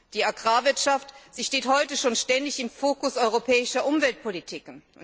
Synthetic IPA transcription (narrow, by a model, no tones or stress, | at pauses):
d̥iːaɡʁaːvɪɐtʃaftz̥iːʃteːthɔʏtəʃoːnʃtɛndɪçɪmfoːkʊsʔɔʏʁopʰɛːɪʃɐʔʊmvɛlt̚pʰolitʰiːkn